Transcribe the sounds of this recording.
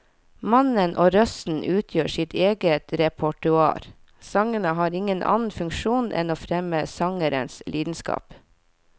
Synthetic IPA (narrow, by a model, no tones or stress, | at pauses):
mɑnənʔoːɾœsn̩ʔʉːt̪ʰjøːʃɪt̪ʰeːɡət̪ɾɛpʰɔʈʉɑ̰ːɾ | sɑŋənəhɑːɾɪŋənʔɑ̰ːnn̩fʉŋkʃuːnʔɛ̰noːfɾɛməsɑŋəɾə̰nslʔiːd̪n̩skɑ̰ːp